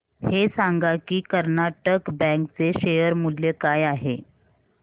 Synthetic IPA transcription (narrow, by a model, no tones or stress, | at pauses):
hesaŋɡakiːkəɾnaʈəkbɛ̃ŋkt͡seɕejəɾmuljekajaɦe